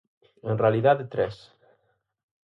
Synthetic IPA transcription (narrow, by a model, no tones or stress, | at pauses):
enrealiðaðet̪ɾɛs